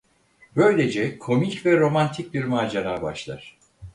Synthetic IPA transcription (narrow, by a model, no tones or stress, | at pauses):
bø̞jlʲe̞d͡ʒɛkʰo̞micvɛɾo̞mant̪ʰic̚biɾmaːd͡ʒaɾaːba̰ʃlˠa̰ɾ̥